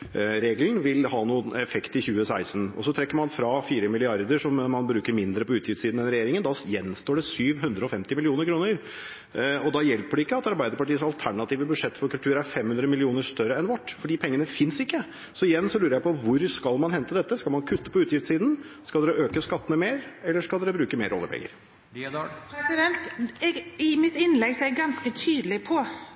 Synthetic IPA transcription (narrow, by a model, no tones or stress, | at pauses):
ɾeːɡln̩ʋɪlhɑːnuːənɛfɛkt̪ɪçʉːəsæɪsnɔ̰sɔt̪ʰɾɛkːəɾmɑnfɾɑfiːɾəmɪlɪɑɾd̪əʂɔmːɑnbɾʉːkəɾmɪnd̪ɾəpɔʉːt̪ʰjɪft̪siːd̪n̩ɛnɾɛjeːɾɪŋənd̪ɑjɛnst̪oːɖɛsyːʋɦʉnd̪ɾəɔfɛmt̪ɪmɪlɪuːnəɾkʰɾuːnəɾ | ɔd̪ɑjɛlpəɖɛɪkːəɑt̪ɑɾbæɪd̪əɾpɑʈiːəsɑlt̪ʰæɳɑt̪iːʋəbʉd̪ʂɛt̪ːfɔɾkʉlt̪ʰʉːɾæɾfɛmhʉnd̪ɾəmɪlɪuːnəʂt̪œɾːəɛnʋɑʈːfɔɖiːpʰɛŋːənəfɪnsɪkːə | sɔɪjɛnːsɔlʉːɾəɾjæɪpɔʋʊɾskɑlmɑnhɛnt̪əd̪ɛt̪ːəskɑlmɑnkʰʉt̪ːəpɔʉːt̪jɪft̪siːd̪n̩skɑld̪ɛɾəʔøːkəskɑt̪ːənəmeːɾɛlːəʂkɑld̪ɛɾəbɾʉːkəmeːɾʔɔ̰lːə̰ɾpʰɛ̰ŋːə̰ɾ | pʰɛsɪd̪ɛnt̪ɛɡɪmɪt̪ɪnlɛɡsɔɛɡɡɑnskət̪ʰyːd̪əlɪpʰɔ